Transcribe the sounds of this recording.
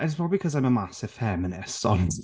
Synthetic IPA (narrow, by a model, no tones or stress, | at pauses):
ʔɪtspʰɹ̥ɔbəbikʰʌzãɪ̃məmasɪvv̥fɛmɪ̃nɪstɔn